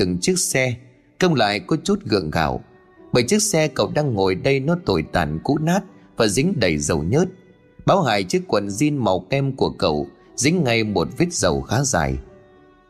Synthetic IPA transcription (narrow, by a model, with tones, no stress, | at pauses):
t̪ɨ˨˩ŋt͡ɕɨ˦˥ək̚sɛ˧ | kə˧wŋ͡mla̰ː˧˨jkɔ˨˦t͡ɕu˦˥t̚ɣɨ̰˧˨əŋɣa̰ː˧˩w | ɓəː˨˩jt͡ɕɨ˦˥ək̚sɛ˧kə̰˧˩˨wɗaː˧ŋːo˨˩jɗə˧jnɔ˨˦t̪o˨˩jt̪a̰ː˧˩nkṵ˧˥naː˦˥t̚vaː˨˩zï˨˦ŋ̟ɗə˨˩jzə˨˩wɲə˦˥t̚ | ɓaː˨˦wɦaː˨˩jt͡ɕɨ˦əkːwə̰˧˨nzi˧nma˨˩wkɛ˧mku˧˩əkə̰˧˩w | zḭ̈˨˧˥ŋ̟ŋa˧jmo˨˩t̚vi˦˥t̚z̥ə˨˩wxaː˨˦za̰ː˨˩j